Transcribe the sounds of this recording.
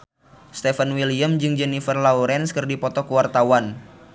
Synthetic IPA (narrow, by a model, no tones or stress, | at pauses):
st̪ɛfənwiliamd͡ʒɨŋd͡ʒɛnifərlauɾɛnskɨrdipɔt̪ɔkuwart̪awan